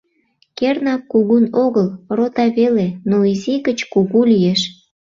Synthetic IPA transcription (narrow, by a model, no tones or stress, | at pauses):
kernɑkːuɣunoɣəlrot̪ɑβelenoiziɣət͡ɕkuɣulijeʃ